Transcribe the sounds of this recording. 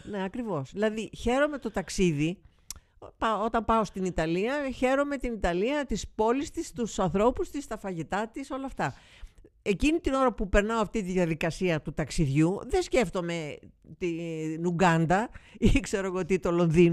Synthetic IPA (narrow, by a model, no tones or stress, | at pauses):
ne̞ɐkɾivo̞sðilɐðiçe̞ɾo̞me̞t̪o̞t̪ɐksiði | pɐot̪ɐmpɐo̞st̪init̪ɐliɐçe̞ɾo̞me̞t̪init̪ɐliɐt̪ispo̞list̪ist̪usɐnθɾo̞pust̪ist̪ɐfɐʝit̪ɐt̪iso̞lɐːft̪ɐ | e̞cinit̪ino̞ɾɐpupe̞ɾnɐoɐft̪it̪iðjɐðikɐsiɐt̪ut̪ɐksiðʝuðe̞sce̞ft̪o̞me̞ | t̪inuɡɐnd̪ɐikse̞ɾo̞ɣoot̪it̪o̞lo̞nðino